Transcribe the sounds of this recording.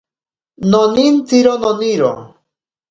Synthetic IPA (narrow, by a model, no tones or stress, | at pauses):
nonint͡siɾononiɾo̰